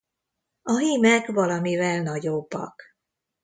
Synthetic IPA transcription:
ɒɦiːmɛkvɒlɒmivɛlnɒɟobːɒ̰k

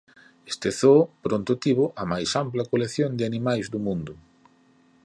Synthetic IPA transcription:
est̪eθopɾont̪ot̪iβʊʔɐmajsamplɐkoleθjond̪ɪanimajzðumũnd̪ʊ

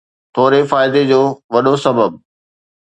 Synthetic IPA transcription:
t̪ʰoːɾefaːɪd̪ed͡ʑoːʋɐɗosɐbəb

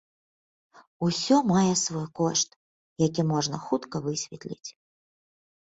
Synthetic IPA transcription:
usʲɔmajɛsvɔjkɔʂt̪ | jakʲimɔʐnɐxut̪kɐvɨsʲvʲɛt̪lʲḭt͡sʲ

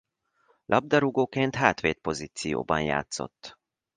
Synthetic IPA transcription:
lʔɒb̚d̪ɒɾuɡoːkeːnt̪ɦaːt̪ʋeːt̪̚po̞ziːt̪sijo̰ːbɒnja̰ːt̪so̞̰t̪ː

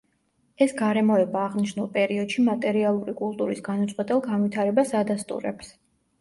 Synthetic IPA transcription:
ɛsɡaɾɛmɔɛbaːʁniʃnulˠpʼɛɾiɔd̪̥ʃimat̪ʼɛɾialˠuɾikʼulˠt̪ʼuɾisɡanat̪sʼqʼwɛt̪ʼɛlˠɡanvit̪ʰaɾɛbasad̪ast̪ʼṵɾɛ̰ps

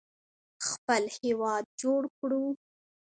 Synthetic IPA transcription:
xpəlhewɑd̪̚d͡ʒoɽkɽu

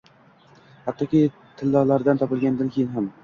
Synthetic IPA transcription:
hat̪ːɒkʲi | t̪ʰɪlːɒlˠaɾd̪ant̪ʰɒpɪlˠɡʲand̪ankʲʰejɪnɦam

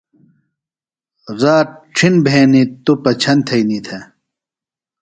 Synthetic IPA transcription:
zaːʈ͡ʂʰinbʱeːnit̪upɐt͡ɕʰɐnt̪ʰɐijnit̪ʰe

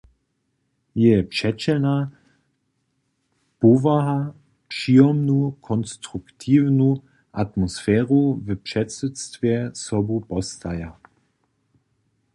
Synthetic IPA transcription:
jɛpʂɛt͡ɕɛlna | povaɦa | pʂiːɔmnukʰɔnstʁuktʰiːvnu | ʔatmɔsfɛːʁuvəpʂɛtsustvjɛsɔbupɔstaja

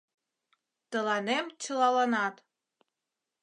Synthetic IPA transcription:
t̪əlɑnemt͡ɕə̆lɑlɑnɑt̪

